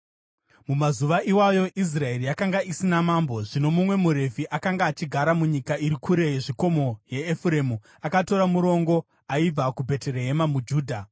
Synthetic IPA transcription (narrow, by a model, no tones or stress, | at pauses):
mumazuʋaʔiwajo̞ʔis̬rae̞rijakaŋɡaʔisinamambo̞ʐino̞mumwe̞muɾe̞viʔakaŋɡaːt͡ʃiɡʱaɾamuɲikaiɾikʰuɾe̞jeʐiko̞mo̞je̞ːfuɾe̞mu | akato̞ɾamuɾo̞ŋɡo̞ | aib͡vakubʱe̞tere̞ɦe̞mamud͡ʒuːdʱa